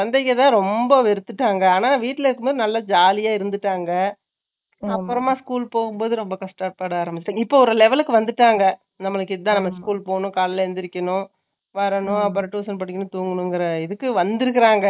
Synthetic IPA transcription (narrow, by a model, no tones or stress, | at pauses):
sɐnd̪ɐkːɐt̪ãːɾɔmbɐʋɛɾɯt̪ːɯʈːaːŋɡɐaːnaːʋiːʈːɪlɐɪɾɯkːɯmbaːɾɪnɐlːɐd͡ʒaːlɪjaːɪɾɯnd̪ɯʈːaːŋɡɐ | ɐpːɯɾɐmːaːskuːlpoːɣɯmboːðɯɾɔmbɐkɐsʈɐʈpːaːɽaaːɾɐmbɪt͡ʃːɪʈːaːŋɐɪpːoːɔɾɯlɛʋɛlɯkːɯʋɐnd̪ɯʈːaːŋɡɐ | nɐmːɐɭɯkːɪðɐt̪ãːnɐmːɐskuːlpoːɳʊ̃kaːlɪlɐɛnd̪ɪɾɪkːɐɳʊ̃ | ʋɐɾɐɳʊ̃ɐpːɐɾɐʈːuːsɐnpɐʈːɪkːɐnʊ̃t̪uːŋɡɐnʊ̃ŋɡɪɾɐɪðɯkːɯʋɐnd̪ɪɾɯkːɪɾaːŋɡɐ